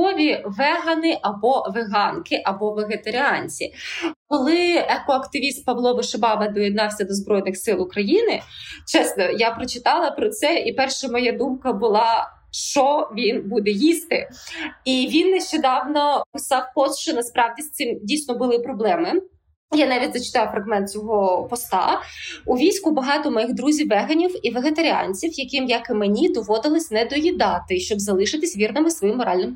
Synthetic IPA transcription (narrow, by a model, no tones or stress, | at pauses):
ɔʋʲiʋɛɦɐnɪʔɐbɔʋeɦɑnkɪʔɐbɔʋeɦet̪ɐɾʲɪɑnʲt͡sʲḭkɔlˠɪɛkɔɐkt̪ɪʋʲist̪̚pɐʋlˠɔbɪʃebɑʋɐd̪ɔjɛd̪̚nɑwsʲɐd̪ɔzbɾɔjnɪxsɪlˠʊkɾɐjinɪt͡ʃɛsnɔjapɾɔt͡ʃɪt̪ɑlˠɐpɾɔt̪sɛipɛrʃɐmɔjad̪umkɐbʊlˠɑ | ʃt͡ʃɔʋʲinbud̪ɛjist̪ɪiʋʲinːeʃt͡ʃɛd̪ɑwnɔpɪsɑwpɔst̪ʃt͡ʃɔnɐspɾɑwdʲist̪sɪmdʲijsʲnɔbʊlˠɪpɾɔblˠɛmɪ | janɑʋʲidʲzɐt͡ʃɪ̥t̪ɑjfɾɐɣmɛnt̪t͡sʲɔɦɔpɔst̪ɑ̰ʊʋʲijsʲkʊbɐɦɑt̪ɔmɔjiɣd̪ɾuzʲiwːɛɦɐnʲiwiʋeɦet̪ɐɾʲiɑ̰nʲt͡sʲiwjɐkɪmjɐkɪmenʲid̪ɔʋɔd̪ɪlˠɪsʲnɛd̪ɔjʲid̪ɑt̪ɪʃt͡ʃɔbzɐlˠɪʃɪt̪ɪsʲʋʲirnɪmɪsʋɔjimːɔɾɑlʲnɪm